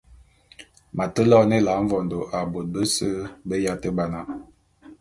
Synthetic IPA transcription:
ma˨tə˦lɔ˦nə˦la˨˦ɱ̩˦vɔ˨ndo˨ʔa˨bo˨t̚bə˦sə˦bə˦ja˦tə˦ba˨na˨

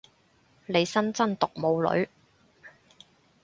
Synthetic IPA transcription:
le˨˧jsɐ˥nt͡sɐ˥nt̪ʊ˨k̚mo˨˧wlɵ̰˨˥ɥ

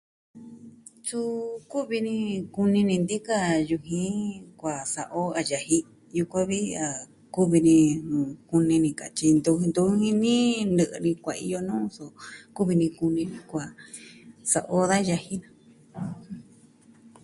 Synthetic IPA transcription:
su˦˧ku˦βi˧nĩ˧ku˧nĩ˧nĩ˧nd̪i˦ka˦ju˧ɦĩ˦kʷa˨sa˨ʔo˦a˧ja˧hi˧ | ju˧kʷã˦βi˦a˨ | ku˦βi˧nĩ˧˨ku˧nĩ˧nĩ˧ka̰˨t͡ʃi˧nd̪u˧nd̪u˧˦hĩ˧nĩ˦nɨ˧ʔɨ˧nĩ˧kʷa˨˧ḭ˧jo˧nũː˦so˧ku˦βi˧nĩ˧ku˧nĩ˧nĩ˧kʷa˨ | sa˨ʔo˦ða˦ja˧hi˦nã˧

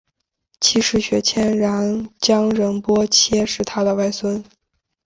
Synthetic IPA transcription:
t͡ɕʰi˥ʂɻ̩˥˩ɕɥɛ˧˥t͡ɕʰjɛ˥nɻa˧˥nt͡ɕjɑ˥ŋɻə˧˥npwɔ˥t͡ɕʰjɛ˥ʂɻ̩˥˩t̪ʰa˥d̪ə˨wa˥˩ɪswə˥n

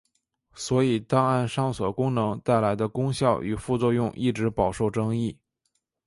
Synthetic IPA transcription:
swɔ˧˥i˨˩t̪ɑ˥ŋa˥˧nʂɑ˥˩ŋswɔ˨˩kʊ˥ŋnɤ˧˥ŋt̪a˥˩ɪla˧˥ɪd̪ə˧kʊ˥ŋɕjɑ˥˩ʊʔy˨˩fu˥˧t͡swɔ˥˧jʊ˥˧ŋʔi˥˩ʈ͡ʂɻ̩˧˥pɑ˨˩ʊʂo˥˩ʊʈ͡ʂɤ˥ŋi˥˩

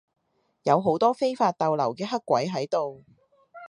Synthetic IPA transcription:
jɐ˨˧wɦo˨˥wt̪ɔː˥fe˥jfaː˧t̚t̪ɐ˨wlɐ˨˩wkɛː˧ɦɐ˥kːʷɐ˨˥jɦɐ˨˥jt̪o˨w

